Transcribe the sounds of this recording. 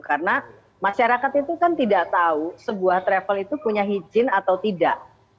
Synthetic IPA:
karəna | maʃaɾakat̪it̪ukant̪idaʔt̪ausəbuaht̪ɾɛfəlit̪upuɲaɦid͡ʒɪnat̪awt̪idaʔ

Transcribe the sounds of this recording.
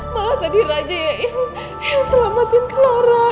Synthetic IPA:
malaht̪adiɾad͡ʒajaʔin | jasəlamat̪ɪnkəloɾa

